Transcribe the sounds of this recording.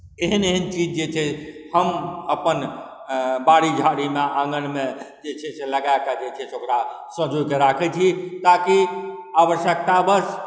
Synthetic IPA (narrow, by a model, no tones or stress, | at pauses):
eɦəneɦənt͡ʃid͡ʒd͡ʒet͡ʃʰɛhəməpən | baɽid͡ʒʱaɽimeãŋɡənmẽd͡ʒet͡ʃʰɛseləɡaekad͡ʒet͡ʃʰɛsokɾa | sə̃d͡ʒʱojkeɾakʰɛt͡ʃʰit̪akiaʋəʃjək̚t̪abəs